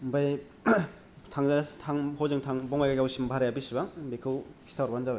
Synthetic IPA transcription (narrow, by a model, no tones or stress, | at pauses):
mbaj | tʰaŋzastʰaŋhozɯŋtʰaŋbɔŋajɡaɡawsimbʱaɾajabisibabekʰɯwkʰi̥stʰaɾbanzaba